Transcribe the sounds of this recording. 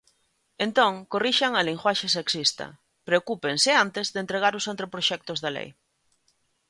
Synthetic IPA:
ent̪õŋkoriʃaŋaliŋxwaʃeseksist̪ɐ̰ | pɾeokupensɪant̪ezðent̪ɾeɣ̞aɾʊsent̪ɾepɾoʃɛk̚t̪ozðɐlḛj

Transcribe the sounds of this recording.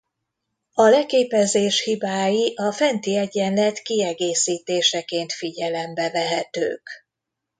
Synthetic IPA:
ɒlɛkeːpɛzeːʃhibaːjiʔɒfɛnt̪iɛɟɛnlɛt̪kiɛɡeːsiːt̪eːʃɛkeːnt̪fiɟɛlɛmbɛvɛɦɛt̪ø̰ːk

